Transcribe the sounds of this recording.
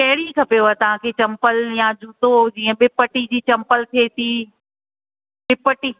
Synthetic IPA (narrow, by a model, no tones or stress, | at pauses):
kɐɦɪɽikʰɐpejoɦat̪ɐʋ̤ãkʰeːt͡ɕɐ̃mpəljad͡ʑuːt̪od͡ʑiːə̃ɓɪpəʈid͡ʑiːt͡ɕɐmpəlt̪ʰiet̪ʰiː | ɓɪpəʈiː